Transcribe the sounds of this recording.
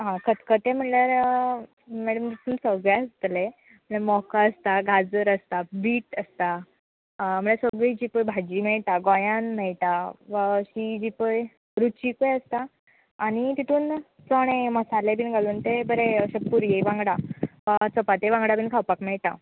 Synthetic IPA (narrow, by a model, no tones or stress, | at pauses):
ɦãkət̪kət̪em̤əʈljaɾ | mæɽəmt̪it̪ʰuːnsəɡɭaəst̪le | m̤əɽemɔkaəst̪aɡʱad͡zəɾəst̪abiːʈəst̪a | m̤əɳasəɡɭid͡ʑipəjbʱad͡ʑiːmɛɭt̪aɡɔjãnmɛɭt̪aʋəɕid͡ʑipəj | ɾut͡ɕikəjəst̪aː | ɽ̃it̪it̪ʰuːn | t͡sɔɽ̃eməsalebiːnɡʱaluːnt̪ebəɾeɕəpːuɾjeʋãŋɡɽaʋat͡sɔpat̪eʋãŋɡɽabiːnkʰawpakmɛɭt̪a̰